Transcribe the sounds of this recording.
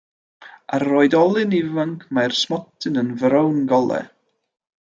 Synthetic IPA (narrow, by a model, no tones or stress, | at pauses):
aroːɨdɔlˠɨnɪvaŋkʰmajrsmɔtʰɨnənvɾəwnɡɔlˠɛ̰